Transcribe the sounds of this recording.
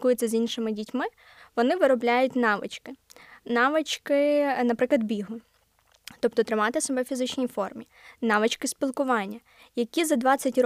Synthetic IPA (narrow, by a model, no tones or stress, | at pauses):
kujet͡sʲɐzʲinʃɪmɪdʲitʲmɪ | ʋɔnɪʋɪɾɔblʲajʊtʲnɑʋɪ̰t͡ʃkɪnɑʋɪt͡ʃkɪnɐpɾɪklˠɐd̪̚bʲiɦʊ | t̪ɔpt̪ɔt̪ɾɪmɑt̪ɪsɔbɛjwfʲizɪt͡ʃnʲijfɔrmʲi | nɑʋɪt͡ʃkɪspʲilˠkʊʋɑnʲːɐ | jɐkʲizɐd̪ʋɑt͡sʲɐtʲr